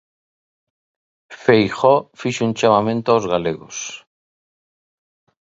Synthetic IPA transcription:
fejxɔfiʃunt͡ʃamamẽnt̪oaozɣaleɣo̰s

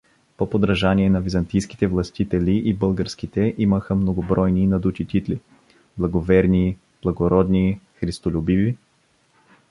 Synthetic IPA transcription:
popod̪ɾɐʒaniɛnɐvizɐnt̪ijski̥t̪ɛvlˠɐst̪it̪ɛliʔibɤlˠɡəɾsk̟it̪ɛʔiməxəmnoɡobɾɔjninɐd̪ut̪it̪it̪li | blˠɐɡovɛɾni | b̥lˠɐɡoɾɔd̪nixɾist̪olʲubivi

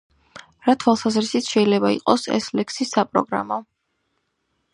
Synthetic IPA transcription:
ɾat̪ʰwalˠsazɾisit̪ʰʃɛilɛbaḭqʼɔsɛ̰slɛkʰsisːapʼɾɔ̰ɡɾa̰mɔ

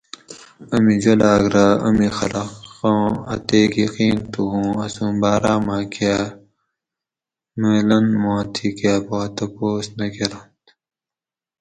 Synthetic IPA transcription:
ɐmid͡ʑɐlaːɡɾaɐmixɐ̰lɐõːɐ̰t̪eːkjɐqiːnt̪uɦũːɐsũːbaːɾaːmãːka | melɐnmõːt̪ʰikaːpot̪ɐpoːsnɐkeɾɐnt̪

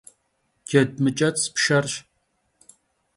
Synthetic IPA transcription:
ɡ̥ʲɛd̚mɨt͡ʃʼɐt͡sʼspʃɐrʃ

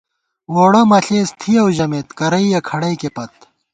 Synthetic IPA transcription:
woːɽɐmɐɬeːst̪ʰijɐwʑɐmet̪kɐɾɐijɐkʰɐɽɐjkepɐt̪̚

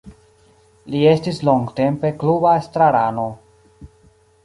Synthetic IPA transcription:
lie̞stislo̞ŋɡte̞mpe̞klubaestɾaɾano̞

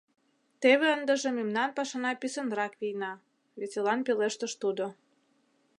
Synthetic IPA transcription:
t̪eβeənd̪ə̆ʒə̆mimnɑnpɑʃɑnɑpisə̆nd̪ɾɑkβijnɑ | βet͡selɑnpeleʃt̪əʃt̪ud̪o

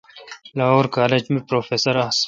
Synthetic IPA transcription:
laoɾkaːled͡ʒmipɾoːfeːsɐɾas

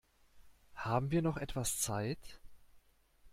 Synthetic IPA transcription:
haːbm̩viːɐnɔχʔɛtv̥ast͡saɪt

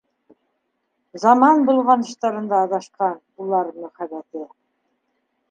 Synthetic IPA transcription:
zɑmɑnbulˠʁɑnɤ̆ʃt̪ɑɾɤ̆nd̪ɑːðɑʃqɑn | ulˠɑɾmɵ̆χæβæt̪ɘ

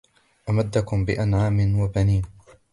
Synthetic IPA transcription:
ʔamad̪ːakʊmbɪʔanʕaːmɪnwabaniːn

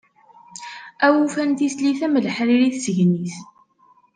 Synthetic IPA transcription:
æwufænt̪isliθæmələħɾiɾiθsəʝniθ

